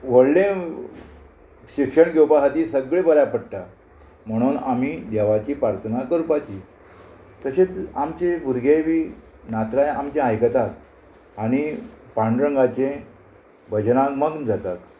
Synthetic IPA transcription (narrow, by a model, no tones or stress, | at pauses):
ʋəɽlẽ | ɕikʂəɳɡewpaɦat̪iːsəɡɭebəɾjapəɽʈ̪a | m̤əɽ̃uːnamiːd̪ɛʋat͡ɕiːpɾaɾt̪ʰənakəɾpat͡ɕi | t̪əɕet͡samt͡ɕebʱuɾɡʱeʋiː | nat̪ɾajamt͡ɕjãajkət̪at̪ | aɽ̃ipaɳɖɾəŋɡat͡ɕẽ | bəd͡ʑnãkməɡd͡zat̪at̪